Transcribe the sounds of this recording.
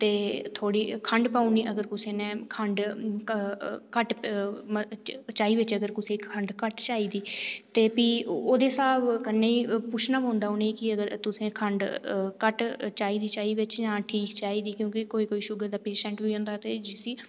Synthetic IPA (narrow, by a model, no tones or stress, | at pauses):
t̪eːt̪ʰoːɽiːkʰəɳɖpaːuniːʔəɡəɾkʊseːnẽːkʰəɳɖ | kəʈ | t͡ʃaːiːʋɪt͡ʃəɡəɾkʊseːkʰəɳɖkəʈt͡ʃaːiːd̪iːt̪eːpiːoːd̪eːsaːbkənːeːiːpʊt͡ʃʰnaːpõːnd̪aːoːneiːkɪəɡəɾt̪ʊsẽːkʰəɳɖkəʈt͡ʃaːiːd̪iːt͡ʃaːiːʋɪt͡ʃjãːʈʰiːkt͡ʃaːiːd̪iːkjõːkɪkoːiːkoːiːʃʊɡəɾd̪aːpeːʃɛ̃ːɳʈʋiːõːnd̪aːt̪eːd͡ʒiːsiː